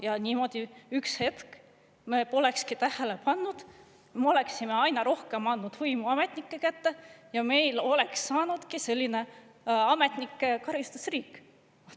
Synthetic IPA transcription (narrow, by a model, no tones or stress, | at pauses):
jɑniːmo̞d̪̥ʲiykshe̞t̪k | me̞po̞le̞kskit̪æhele̞pɑnːud̪̥ | meo̞le̞ksime̞ɑjnɑɾo̞hke̞mɑnːud̪̥hujmuɑme̞t̪nikːekæt̪ːe̞jɑme̞jlo̞leksːɑːnud̪̥kise̞lʲːine̞ | ɑme̞t̪nikːˑekɑɾist̪u̥sriːkːˑ